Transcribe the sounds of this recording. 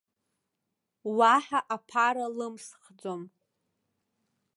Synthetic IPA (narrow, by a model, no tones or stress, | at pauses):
waħaʔapʰaɾalɨmsχd͡zo̞m